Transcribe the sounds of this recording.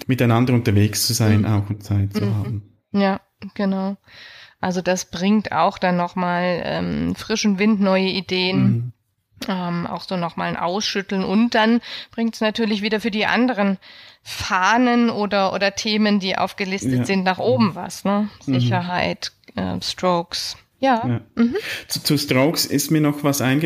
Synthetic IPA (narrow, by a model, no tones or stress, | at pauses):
mɪtaɪnandɐʊntɐveːkst͡suzaɪna̰ʊxʊnt͡saɪt̚t͡suhaːbm̩ | jaː | ɡ̥ənaʊʔalzodasb̥ʁɪŋta̰ʊxd̥anːɔχmaːlʔɛ̰ːmfʁ̥ɪʃʊnvɪntnɔʏəideːən | ʔɛmʔa̰ʊxz̥oːnɔχmaːlnʔa̰ʊsʃʏtl̩nʔʊnt̚d̥anb̥ʁɪŋtsnatʰyːɐlɪçv̥iːdɐfyːɐdiːʔa̰ndəʁ̞ənfaːnənʔoːdɐʔo̰ːdɐtʰeːməndiːʔa̰ʊfɡ̥əlɪstəz̥ɪntnaːχʔoːbm̩va̰snəz̥ɪçɐɦaɪtʔɛ̰ːstʁ̥oʊks | jaːm̩hm̩t͡sut͡sustʁoʊksɪ̰stmiːɐnɔxvasʔaɪnɡə